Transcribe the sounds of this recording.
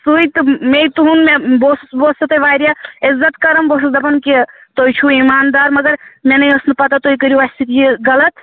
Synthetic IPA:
suit̪meit̪uɦunmeboːsboːsɐt̪eʋaːɾjaɪzːɐt̪kɐɾɐmboːssd̪ɐpɐnket̪oːjt͡ʃʰuimaːnd̪aːɾmɐɡɐɾmenɐjosnɨpɐt̪at̪oːikəɾjuʋast̪ʰit̪ijeɡɐlɐt̪

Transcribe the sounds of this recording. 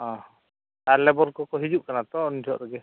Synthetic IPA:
ɔ̃ | t̪aɾlɛbɔɾkɔkɔɦid͡ʒuʔkanat̪ɔɔnid͡ʒɔʔɾɔɡɛ

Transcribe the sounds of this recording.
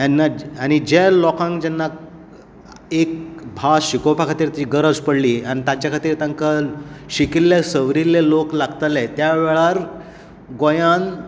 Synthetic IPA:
janːaañid͡ʑelɔkãŋkd͡ʑɛnːa | ekbʱaɕikopʰakʰat̪iːɾt̪iɡəɾəd͡zpəɽliːañit̪at͡ɕjakʰat̪iːɾt̪aŋkəlɕikilːesəʋɾilːeloklaɡt̪alet̪jaʋɛɭaɾ | ɡojãn

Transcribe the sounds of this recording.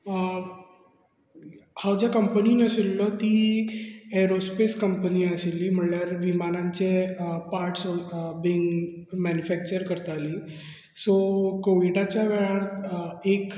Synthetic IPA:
hawd͡ʑjakəmpəniːnəsilːɔt̪i | eɾospeskəmpəniːəselːiːm̤əɳljaɾʋimanãɲt͡sepaɾʈsɔbiːŋɡ | mænjufæk̚t͡ɕəɾkəɾt̪aliː | sokoʋiɖat͡ɕjaʋeɭaɾek

